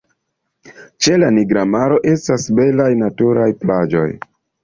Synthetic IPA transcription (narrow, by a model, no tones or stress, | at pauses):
t͡ʃe̞laniɡɾamaɾo̞ʔe̞stasbe̞lajnatuɾajplad͡ʒo̞̰j